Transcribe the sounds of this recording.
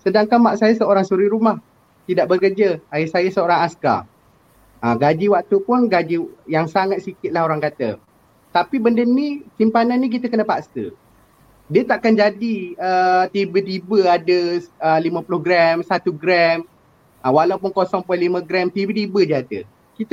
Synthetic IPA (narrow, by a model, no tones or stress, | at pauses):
sədaŋkanmaʔsajasəoɾaŋsuɾiɾumah | t̪idaʔbəkərd͡ʒaajɪsajasəoɾaŋaska̰ | əɡad͡ʒiwaʔ̚t̪upʊnɡad͡ʒijaŋsaŋat̪̚sikɪt̪̚lahoɾaŋkat̪ə̰ | t̪apibəndənːisimpananːik̬it̪əkənəpaʔst̪ə̰ | diət̪aʔakand͡ʒadiət̪ibət̪ibəadəəlimə̃pulʊhɡɾɛmsat̪uɡɾɛm | əwalapʊnkosɔŋpɔjlimə̃ɡɾɛmt̪ibət̪ibəd͡ʒiad̪ə̰ | kit̪